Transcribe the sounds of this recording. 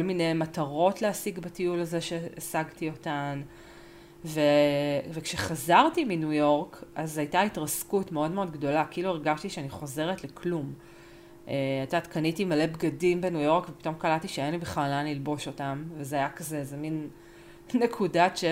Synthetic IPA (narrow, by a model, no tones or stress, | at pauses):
kolmine̞jmataʁo̞tleasiɡbatiulazeʃeasaɡtio̞tan | vevekʃeχazaʁtiminujo̞ʁkʔazajtaitʁaskutme̞o̞dme̞o̞dɡdo̞lakiʔilueʁɡaʃtiʃeaniχo̞ze̞ʁetlekʰlum | ʔeatatkanitimale̞bɡadimbenujo̞ʁkvepi̥tomkalatiʃeanibiχlalanlilbo̞ʃo̞tamvezeajakazeezemin | nekʰudat͡ʃe